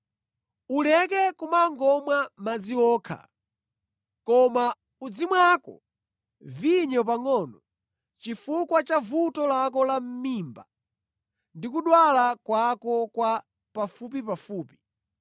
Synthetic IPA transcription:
ulɛkɛkumaŋɡɔmwamad͡ziwɔːkʰa̰ | kɔma | ud͡zimwakɔ̰ | viɲɔp̬aŋɔnɔ | t͡ʃifukwat͡ʃavutɔlak̬ɔlam̩miːmba | ndikuɗwalakwakɔkwa | pafupipafuːpi̥

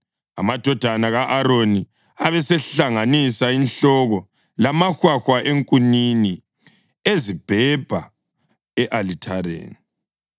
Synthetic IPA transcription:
a̰mad̥ʱɔd̥ʱanaɣaʔaɾoni | aβɛsɛɬaŋanisainɬɔɣɔ | lamaxwaxwaʔeŋkʼunini | ezib̥ʱɛb̥ʱa̰ | ɛʔalitʰaɾḛːni

